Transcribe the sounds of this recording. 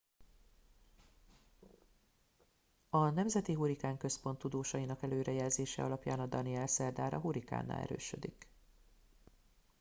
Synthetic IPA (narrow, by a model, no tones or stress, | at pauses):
ɒnɛmzɛt̪iɦuɾikaːŋkø̞spo̞nt̪ːud̪oːʃɒjinɒkɛløːɾɛjɛlzeːʃɛ̰ɒ̰lɒpja̰ːnɒd̪ɒniɛlsɛrd̪aːɾɒ̰ɦuɾika̰ːnːa̰ːlɛ̰ɾø̰ːʃø̰d̪ik